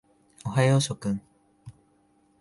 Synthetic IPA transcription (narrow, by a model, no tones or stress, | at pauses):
oɦajoɕokɯ̃ŋ